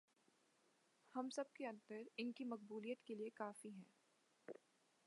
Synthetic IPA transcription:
hɐmsɐb̚keɐ̃nt̪əɾɪnkimɐq̚buːlijət̪keliekaːfiɦɛ̃ː

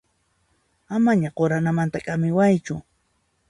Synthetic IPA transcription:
amaɲaɢoɾanamant̪akʼamɪwajt͡ʃʊ

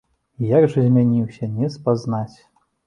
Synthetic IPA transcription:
jaɡʐɐzʲmʲanʲiwsʲɐnʲɛspaznat͡sʲ

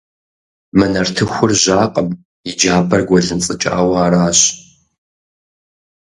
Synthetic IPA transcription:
mɨnɐrtʰɨxʷʊrʑaːqʼəm | jɪd͡ʒaːbɐrɡʷɔɮɨnt͡sʼɨt͡ʃʼa̰ːwɐːɾaːɕ

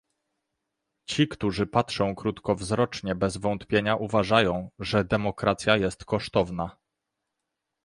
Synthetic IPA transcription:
t͡ɕikt̪uʐɘpatʂɔ̃w̃kɾut̪kɔvzɾɔt͡ʂɲɛbɛzvɔnt̪pʲjeɲaʔuvaʐajɔ̃w̃ʐɛd̪ɛmɔkɾat̪sʲjajɛst̪kɔʂt̪ɔvna

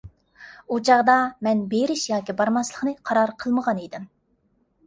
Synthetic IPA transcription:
ut͡ʃʰɑʁd̪ɑmɛnbeɾɪʃjɑːkʲibɑɾmɑslˠə̥χqnɨqʰɑɾɑɾqʰəlˠməʁɑnejd̪ɪm

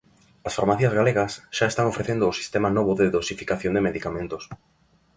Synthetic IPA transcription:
ɐsfaɾmaθiɐzɣaleɣɐsʃaest̪aŋofɾeθend̪ʊːsi̥st̪emanoβoðeðosifi̥kaθjond̪emeðikamẽnt̪os

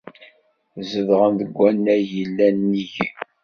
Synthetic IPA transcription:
zəðʁənðəɡʷːænːæjəlːænːiʝ

